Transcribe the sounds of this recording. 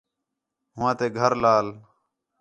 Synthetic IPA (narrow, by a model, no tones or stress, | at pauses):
ɦʊʋãːt̪eːɡʱəɾlaːl